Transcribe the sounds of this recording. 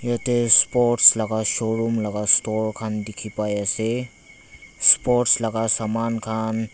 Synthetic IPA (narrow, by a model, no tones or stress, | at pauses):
jet̪espoɾʈsləɡaʃoɾumləɡasʈoɾkʰand̪ikʰipajase | spoɾʈsləɡasamankʰan